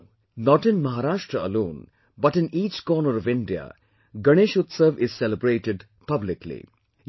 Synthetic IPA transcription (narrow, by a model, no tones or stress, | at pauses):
nɔʈɪ̃nmɐɦaɾaːʃʈɾəə̰lõːn | bɐʈɪ̃niːt͡ʃkɔːnəɾɔʋɪ̃ɳɖia̰ | ɡɐɽ̃eːʃʊt̪səʋɪz̥sɛləbɾeːʈɪɖ | pʌblɪklḭ